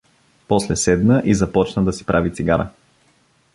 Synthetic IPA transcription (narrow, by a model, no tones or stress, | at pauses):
pɔslɛsɛd̪nəʔizɐpɔt͡ʃnəd̪ɐsi̥pɾʔavit̪siɡaɾə̰